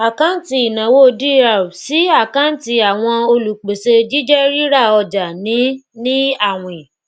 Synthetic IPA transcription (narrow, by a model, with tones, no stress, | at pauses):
a˨kã˦ti˦˨i˨nã˨wo˦˧di˦ɾa˨si˨˦a˦˨kã˦n̩˦ti˧a˨w̃ɔ̃˧o˧lu˨k͡pe˨se˧d͡ʒi˦d͡ʒɛ˦ɾi˦ɾa˦˨ɔ˧d͡ʒa˨nĩ˨˦nĩ˦a˦˨w̃ĩ˨